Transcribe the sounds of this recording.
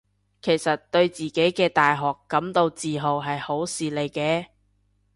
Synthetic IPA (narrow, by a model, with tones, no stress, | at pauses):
kʰe˨˩jsɐ˨t̚t̪ɵ˧ɥt͡siː˨ke˨˥jkɛː˧t̪aː˨jɦɔː˨˩kːɐ˨˥mt̪o˧wt͡siː˨ɦo˨˩wɦɐ˨jho˨˥wsiː˨le˨˧jkɛː˧